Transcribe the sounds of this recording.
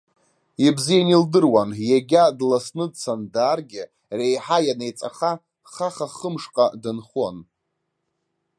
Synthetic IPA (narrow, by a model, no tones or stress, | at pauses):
ibzijanildɨrwanjaɡʲadlasnɨdt͡sʰandaːrɡʲɪ | rejħajanejt͡sʼaχa | χaχaχəmʂqʼadɨnχon